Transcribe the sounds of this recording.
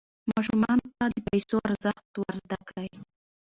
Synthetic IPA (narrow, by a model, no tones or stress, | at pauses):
mɑʃumɑnot̪ad̪əpajsoaɾzəxt̪waɾzd̪akɽaj